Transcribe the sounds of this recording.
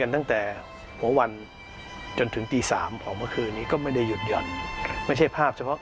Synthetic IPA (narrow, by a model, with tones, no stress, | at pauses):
a˧nt̪a˥˩ŋt̪ɛː˨˩ | hu˩˦ɐwa˧n | t͡ɕo˧nt̪ʰɯ˩˦ŋt̪iː˧saː˩˦mkʰɔː˨˩mɯ˥˩əkʰɯː˧nːiː˦˥kɔː˥˩ma˥˩jda˥˩jːu˨˩t̪̚jɔ˨˩n̚ma˥˩jt͡ɕʰa˥˩jpʰaː˥˩p̚t͡ɕʰa˧pʰɔ˦˥ʔ